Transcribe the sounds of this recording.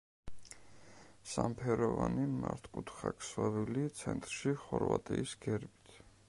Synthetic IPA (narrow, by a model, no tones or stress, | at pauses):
sampʰɛɾɔvanimaɾt̪ʰkʼut̪ʰχakʰswavilit̪sʰɛnt̪ʼɾʃiχɔɾvat̪ʼiːsɡ̥ɛɾbi̥t̪ʰ